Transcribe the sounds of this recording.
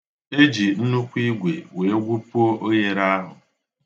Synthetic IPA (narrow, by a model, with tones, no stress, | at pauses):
e˦d͡ʒi˨n̩˦nu˦kʷi˦ɡʷe˨we˨˦ɡʷu˦pu˦o˦ʔo˦je˦ɾa˦ɦʊ˨